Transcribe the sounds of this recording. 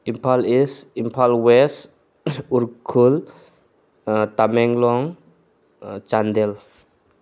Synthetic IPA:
impʰalisimpʰalwɛs | uɾkʰul | t̪amɛŋlɔŋ | t͡ʃand̪ɛl

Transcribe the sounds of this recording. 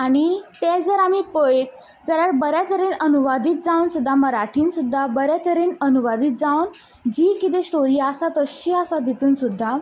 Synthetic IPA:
aɽ̃it̪ɛ̃d͡zəɾamipəeʈ̚ | d͡zəɾaɾbəɾjat̪əɾenənuʋad̪iːt̪̚d͡zawnsud̪ʱːaməɾaʈʰiːnsud̪ʱːabəɾjat̪əɾeːnənuʋad̪iːt̪̚d͡zawn | d͡ʑikit̪esʈoɾiːasat̪əɕiasad̪it̪uːnsud̪ʱːa

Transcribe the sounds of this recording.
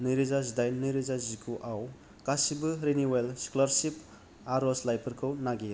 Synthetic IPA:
nɯjɾizazdajnnːɯjɾizazikʰuʔaw | kasibɯɾeniwelsi̥kulaɾsip | aɾɔslajpʰɐɾkʰɯwnaɡi

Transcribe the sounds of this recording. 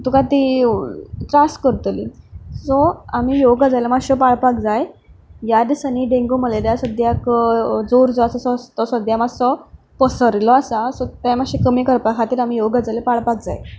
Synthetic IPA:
t̪ukat̪i | t̪ɾaskəɾt̪lḭsɔam̤iːjoɡad͡zajlemaɕɔpaɭpak̚d͡zajjad̪isaniɖeŋɡuməleljasəd̪jakd͡zoɾd͡zɔasasɔst̪ɔsɔd̪jamasɔ | pəsəɾlɔasasɔt̪amaɕekəmiːkəɾpakʰat̪iːɾam̤ijoɡad͡zajlepaɭpak̚d͡za̰j

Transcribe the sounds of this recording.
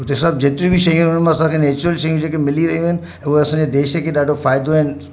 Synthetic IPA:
ʊt̪esɐb̚d͡ʑeːt̪ɾĩbʱiʃɐjũɦʊnmãɐsãkʰeneːt͡ɕʊɾəlʃɐjũd͡ʑeːkemɪliɾɐɦijũɦɪnɪ̆ | ɛ̃ʊeɐsãːɲd͡ʑed̪eːʃkʰeɗaːɖʱofaːjd̪oɦɪn

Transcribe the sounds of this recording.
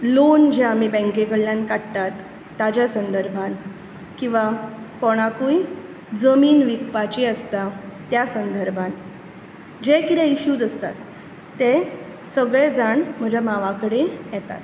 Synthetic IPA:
lond͡ʑeam̤ibɛ̃ŋkekəɽljankaɽt̪at̪ː | ad͡ʑjasənd̪əɾbʱan | kĩw̃ʋakɔɽ̃akuj | d͡zəmiːnʋikpat͡ɕiəst̪at̪jasənd̪əɾbʱan | d͡ʑekit̪ɛ̃iɕuːd͡zəst̪a̰t̪ː | e | səɡɭed͡zaɳm̤əd͡ʑamaʋakəɽejɛt̪a̰t̪

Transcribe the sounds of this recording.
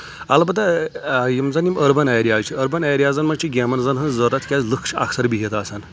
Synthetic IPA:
ɐlbɐt̪ajimzɐniməɾbɐnajɾiaːt͡ʃʰiəɾbɐnajɾijaːzɐnmɐnʲt͡ʃʰiɡʲemɐnzɐnɦɐnzəɾɐt̪kʲazlɨkʰʃɐ̰ksɐɾbiɦit̪aːsan

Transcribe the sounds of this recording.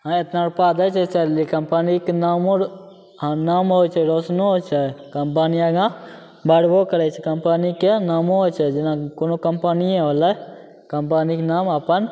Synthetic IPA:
ɦãet̪naɾpaːd̪ət͡ʃʰɛt͡ʃɛlikəmpənikenaːmõ | naːmɦojt͡ʃʰɛɾoːsnoɦot͡ʃʰɛkəmpanijãɡã | bəɽbokəɾɛt͡ʃʰɛkəmpənikenaːmõɦot͡ʃʰɛd͡ʒɪnãkonokəmpənijẽɦolə | kəmpanikenaːməpən

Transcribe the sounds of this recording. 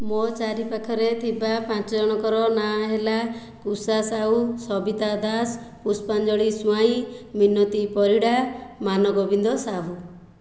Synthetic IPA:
mot͡ʃaɾipakʰɔɾet̪ʰibapãt͡ʃɔd͡ʒɔɽ̃ɔkɔɾɔnaɦela | kusasaɦusɔbit̪ad̪aspuspand͡ʒɔɭisuaĩminɔt̪ipɔɾiɽamanɔɡɔbind̪ɔsaɦu

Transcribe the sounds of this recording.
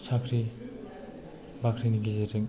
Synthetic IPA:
sʰakʰɾi | bakʰɾiniɡizeɾɯŋ

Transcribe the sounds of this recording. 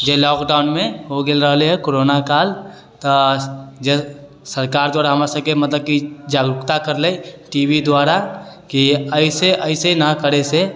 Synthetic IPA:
d͡ʒelɔːkɖaːʊnmẽɦoɡelɾəɦleɦɛkoːɾoːnakaːl | t̪ | d͡ʒe | səɾkaːɾd̪waːɾaɦɐmasəkemɐt̪ləb̚kid͡ʒaːɡɾʊkt̪akəɾleːʈiːʋid̪waːɾakiəɪseʔəɪsenakəɾese

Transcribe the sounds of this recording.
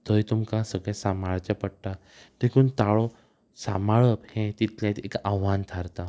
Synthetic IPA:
t̪əjt̪umkãsəɡɭɛsamaɭt͡ɕapəɽ̚t̪a | d̪ekʰuːnt̪aɭɔ | samaɭəphẽt̪it̪ljãt̪ekaʋant̪ʰaɾt̪a

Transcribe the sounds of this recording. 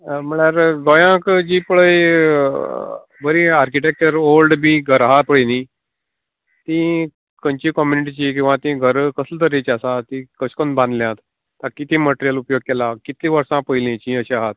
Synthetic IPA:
m̤əɭaɾɡɔjãkd͡ʑiːpəɭəj | bəɾĩaɾkiʈɛk̚t͡ɕəɾolɖbʱiːɡʱəɾaɦat̪̚pəɭinĩː | t̪ĩ | kəɲt͡ɕikɔmjuniʈ̬it͡ɕik̬ĩw̃ʋãt̪ĩɡʱəɾkəslət̪əɾet͡ɕasat̪ĩːkəskonbãnd̪ljãt̪ː | akit̪ĩməʈeɾijəlupjoɡ̚kelakit̪ĩʋəɾsãpəilĩt͡ɕĩəɕeaɦat̪̚

